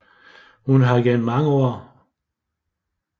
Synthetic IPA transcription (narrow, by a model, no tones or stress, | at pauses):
hunɦɑ̈ɡ̥enmɑ̈ŋəɔːɐ